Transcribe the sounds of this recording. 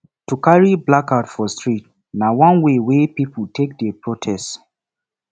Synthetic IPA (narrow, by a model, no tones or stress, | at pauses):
tukaɹiblakaʊtfɔstɹit | nawãnwewepiputʰek̚dɛpɹotʰɛst